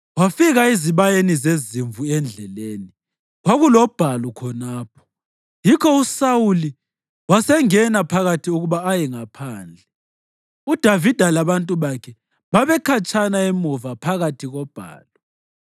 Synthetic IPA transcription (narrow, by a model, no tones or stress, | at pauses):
wafiɣaiziβajenizeziɱvuɛnd͡ɮʱɛleːni | ɣwaɣulɔb̥ʱalɔkʰɔnaːpʰɔ̥ | jikʰɔusawuli | wasɛŋɛnapʰaɣatʰiuɣuβaːjɛŋapʰaːnd͡ɮʱɛ | ud̥ʱavid̥ʱalaβantʼuβakʰɛ | βaβɛkʰat͡ʃʰʼanaɛmɔvapʰaɣatʰiɣɔb̥ʱa̰ːlɔ